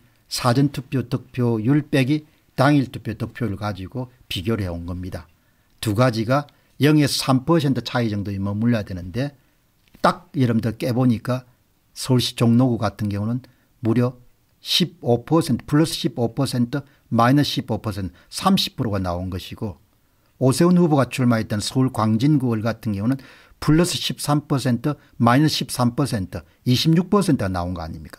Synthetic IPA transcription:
sʰad͡ʑʌntʰupʰjotʌk̚pʰjojuɭp͈eɡi | taŋiɭtʰu̥pʰjotʌk̚pʰjojuɭkad͡ʑiɡo | piɡjoɾɯɭheonɡʌmɲida | tuɡad͡ʑiɡa | jʌŋesʰampʰʌs̬ʰe̞ntʰɯ̥t͡ɕʰaid͡ʑʌŋdoimʌmuɭːajadwenɯnde̞ | t͈ak̚jiɾʌmdʌk͈e̞boɲik͈a | sʰʌɭɕ͈i̥t͡ɕoŋnoɡuɡatʰɯnɡjʌŋunɯn | muɾjʌ | ɕʰib̚opʰʌsʰentʰɯ̥pʰuɭːʌsʰɯ̥ɕʰibopʰʌsʰe̞ntʰɯ | mainʌsɕʰibopʰʌsʰe̞ntʰ | sʰamɕʰi̥pʰːɯɾoɡanaonɡʌɕʰiɡ̥o | osʰe̞unɸuboɡat͡ɕʰuɭmait͈̚ʌnsʰʌuɭkwaŋd͡ʑinɡuɯɭɡatʰɯnɡjʌŋunɯn | pʰuɭːʌs͈ʰɯɕʰip̚s͈ampʰʌs̬ʰe̞ntʰɯ | mainʌsɕʰip̚s͈ʰampʰʌsʰe̞ntʰɯ | iɕʰimɲuk̚pʰʌsʰentʰɯɡana̰onɡʌa̰ɲimɲik͈ḁ

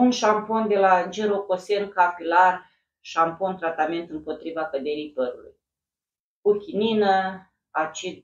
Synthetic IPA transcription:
unʃampo̞nd̪e̞lad͡ʒeɾoko̞se̞nkapilar | ʃampo̞nt̪ɾat̪ame̞nt̪ɨmpo̞t̪ɾivakəd̪e̞ɾijpəɾulṵj | kukʲininə | at͡ʃi

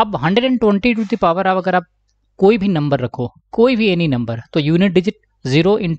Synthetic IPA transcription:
ɐbɦɐ̃ɳɖeɖɛ̃ɳʈwɛ̃ɳʈiʈ̬uːt̪ipaːʋəɾaːʋɐɡəɾaːp̚ | koːibʱinɐ̃mbəɾːɐkʰoː | koːibʱiɛːninɐ̃mbəɾt̪ojuːnɪʈ̚ɖɪd͡ʒɪʈ̚ | ziːɾoʔɪ̃ɳ

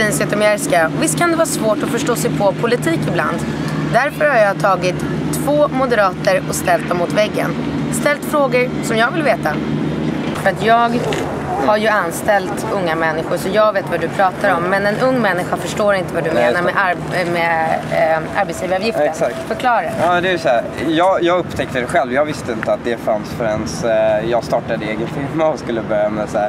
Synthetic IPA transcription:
insɛt̪ɔmɛɾskavɪst̪kʰand̪ɛvɑːsvoːʈɔfœʂʈoːsɛjpʰɔpʰʊlɪt̪ʰiːkɪbla̰nd̪ | d̪æɾfœɾhaɾjɑːt̪ʰɑːɡɪt̪ʰː | v̥oːmʊd̪əɾɑːt̪əɾɔkst̪ɛlt̪̚ːɔmːʊt̪vɛɡːə̰n | st̪ɛlt̪fɾoːɡəɾsɔmjɑːɡvɪlveːt̪a | fœɾat̪ʰjɑːɡ | haɾjɵanːst̪ɛlt̪ɵŋːamɛnːɪɧʊɾʂɔjɑːɡveːt̪vad̪ɵpʰɾɑːt̪aɾɔmːɛnɛnɵŋːmɛnːɪɧafœʂʈoːɾɪnt̪əvad̪ɵmeːnaɾmɛʔaɾ | mɛ | ʔa̰ɾbɛt̪sjiːvaɾɑvjɪft̪əsakt̪fœkʰlɑːɾaɑd̪ɛɛsɔæɾjɑːɡjɑːɡɵpːt̪ʰɛk̚t̪əd̪ɛɧɛlvjɑːɡvɪst̪əɪnt̪əat̪̚d̪ɛfansfœɾɛnsjɑːɡst̪ɑːʈad̪əeːɡənt̪ʰɪmːaskɵlːəbœɾjamɛsæ

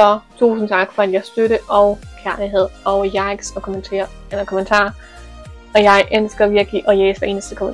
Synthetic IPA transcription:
sɒ̽t͡sʰṵːsn̩t͡sʰɑ̈ɡ̥fɒ̽ænjɑ̈ɪsd̥øɾəʔɒ̽ʊkʰæɐliɦe̝ð̞̰ˠɒ̽ʊjɑ̈ɪɡ̥sɒ̽kʰ | nəkʰomənt͡sʰɑ̰̈ː | ɒ̽jɑ̈ɪʔensɡ̥ɐʋiɐɡ̥liʔɒ̽jeːsdɐe̝̰ːnəsd̥əkʰom

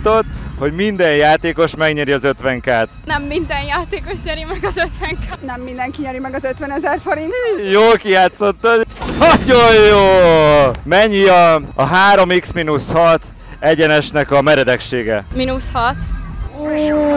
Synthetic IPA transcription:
t̪o̞t̪ho̞ɟmind̪ɛnjaːt̪eːko̞ʃmɛɡɲɛɾiɒzø̞t̪ʋɛŋkaːt̪nɛmːind̪ɛnjaːt̪eːko̞ʃɲɛɾimɛɡɒzøt̪ʋɛŋkːnɛmːind̪ɛŋkiɲɛɾimɛɡɒzøt̪ʋɛnɛzɛrfoɾint̪ijoːlkijaːt̪so̞t̪ːoɒjojoː | mɛɲːiɒːɦaːɾo̞miksminushɒt̪ | ɛɟɛnɛʃnɛkɒmɛɾɛd̪ɛkʃeːɡɛ̰minushɒt̪ː

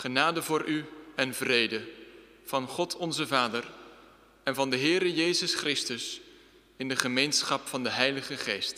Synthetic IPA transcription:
χənaːdəvʊːɹʔyɛnvrejdə | v̥ɑnχɔtʰɔnzəvaːdər | ɛnvɑndəɦɪːɾəjejzəsχrɪstəs | ɪndəχəmejnsχɑpfɑndəɦɛjləχəχejst

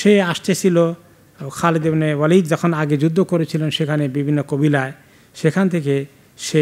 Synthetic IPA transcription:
ʃeaʃt̪et͡ɕʰilo | kʰald̪ebnewalid͡ʒd͡ʒɔkʰonaɡed͡ʑud̪ʱːokoɾet͡ɕʰilenʃekʰanebibʱinːokobilae | ʃekʰant̪ʰeke | ʃe

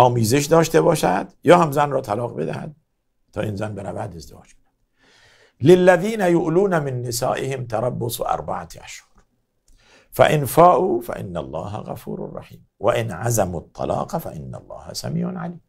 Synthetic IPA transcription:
ɑːmizɪʃd̪ɑːʃt̪ebɑːʃa̰t̪jɑːhamzaːnɾɑt̪ɑlɑːqbɪ̰d̪aha̰d̪̚ | t̪ɑʔɪmzaːnbɪnabaʕd̪ɪzd̪ɪwɑ̰ːd͡ʒbɪd̪a | lɪlːaðiːnajʊʔluːnamɪnːɪsa̰ːʔɪhɪmt̪ɑɾˤɑbːʊsˤʔɑ̰ɾˤbaʕaʔaʃhʊɾ | fa̰ʔɪnfaːʔufa̰ʔɪ̰nːalˤːɑːɦa̰ɣa̰fuːɾʊ̰rˤːɑ̰ħiːmwaʔɪnʕazamut̪ˤːɑ̰lɑ̰ːqɑfaʔɪnːalˤːɑ̰ːha̰samiːʕnʕaliːm

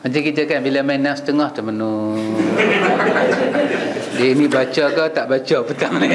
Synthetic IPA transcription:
mat͡ʃaŋkit̪̬əkanbilamanast̪əŋɔht̪əmənu | dinibat͡ʃakat̪aʔbat͡ʃapət̪amənaŋ

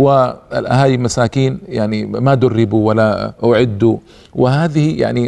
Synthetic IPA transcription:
waɪ̰lʔaɦaːjilmasaːkiːnjaʕnimad̪ʊrːɪbuwalːaʊʕɪd̪ːu | wɪɦaːðɪhija̰ʕni

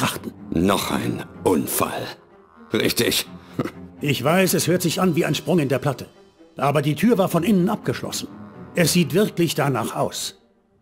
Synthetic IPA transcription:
ʁ̥aχtn̩nɔ̰χa̰ɪnʔʊnfa̰l | ʁɪçtɪç | ʔɪçv̥aɪsɛshøːɐtz̥ɪçanviːaɪnʃpʁ̥ʊŋɪndeːɐpʰl̥atə | ʔaːbɐdiːtʰyːɐvaːɐfɔnʔɪnənap̚ɡ̥əʃlɔ̰sn̩ʔɛsz̥iːtv̥ɪɐklɪçd̥anaːχaʊs

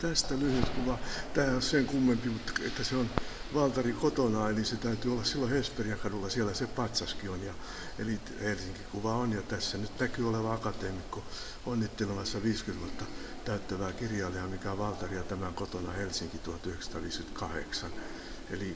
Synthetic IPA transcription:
t̪æst̪ælyhyt̪kuʋɑt̪æːosseŋkumːempimut̪ːḛt̪ːæseonʋɑlt̪ɑrikot̪onɑeliset̪æyt̪yolːɑssilːohesperiɑkɑdulːɑsielæsepɑt̪sɑskionjɑ | ḛli | helsiŋkikuʋɑonjɑt̪æsːænyt̪nækyːoleʋɑɑkɑt̪eːmikːo | onːit̪ːelemɑsːɑʋiːskyt̪ʋuot̪ːɑ | t̪æyt̪ːæʋæːkirjɑːliɑmikæʋɑlt̪ɑrijɑt̪æmæŋkot̪onɑ̰helsiŋkit̪uhɑt̪yhekst̪ɑːʋiːskynt̪kɑhḛksɑn | ḛli

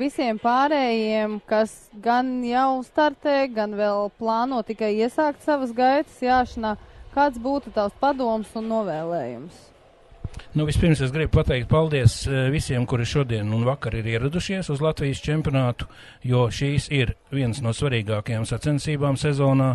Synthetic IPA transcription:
visiɛmpaːɾɛːjiɛmkasɡanjawst̪aɾt̪ɛːɡanʋɛlˠplˠɑːnuɔtt̪ikajiɛsaːkt̪saʋəsɡajt̪ə̥sjaːʃɐnaːkaːt̪sbuːt̪ut̪awspad̪uɔmsunːuɔʋɛːlˠɛːjṵms | nuvispiɾmsesɡɾib̚pat̪ɛjk̚t̪̚palˠd̪iɛsvisiɛmkuɾɪʃuɔd̪iɛnunvakaɾiɾiɛɾad̪uʃiɛsuzlˠat̪vʲijst͡ʃɛmpʲijɔnaːt̪u̥ | juɔʃiːsiɾvʲiɛnsnuɔsvaɾiːɡaːkajaːmsat̪sɛnsiːbaːmsɛzɔːnaː

